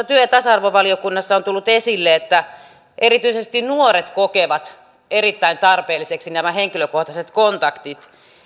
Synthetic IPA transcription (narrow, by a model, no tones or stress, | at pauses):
æt̪yøjɑt̪ɑsɑrʋoʋɑliokunːɑsːɑont̪ulːut̪esilːeet̪ːæ | ʔerit̪yisest̪inuoret̪kokeʋɑt̪ | erit̪ːæint̪ɑrpeːlːiseksinæmæheŋkiløkoht̪ɑset̪kont̪ɑkt̪it̪